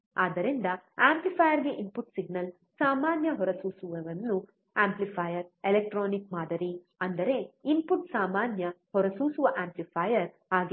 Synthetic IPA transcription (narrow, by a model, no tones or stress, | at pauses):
aːd̪ɐɾind̪ɐaːmplipʰɐːjɐɾɡe̞ʔimpuʈsiɡ̚nɐl | saːmaːnjɐɦɔɾɐsuːsuʋɐʋɐnːu | aːmplipʰɐjɐɾelek̚ʈɾoːnikmaːd̪ɐɾi | ɐnd̪ɐɾe̞ːimpuʈsaːmaːnjɐhɔɾɐsuːsuʋɐʔaːmplipʰajɐɾ | aːɡi